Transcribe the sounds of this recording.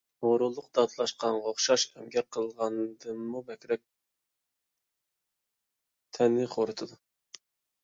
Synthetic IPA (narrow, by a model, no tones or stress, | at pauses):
oɾulˠʊqd̪ɑt̪lˠɑʃqɑnʁoχʃɑʃɛmɡʲɛqʰːəlˠʁɑnd̪ɨmːubɛkʲɾɛk̚ʲ | t̪ʰɛnːɪχʰoɾɨt̪ʰɨd̪u